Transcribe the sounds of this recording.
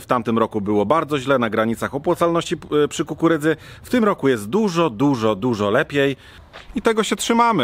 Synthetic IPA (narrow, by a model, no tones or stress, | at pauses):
ft̪amt̪ɘmɾɔkubɘwɔbaɾd̪zɔʑlɛnaɡɾaɲit̪saxɔpwat̪salnɔɕt͡ɕipʂɘkukuɾɘd̪zɘ | ft̪ɘmɾɔkujɛst̪̚d̪uʐɔd̪uʐɔd̪uʐɔlɛpʲjej | it̪ɛɡɔɕɛtʂɘmamɘ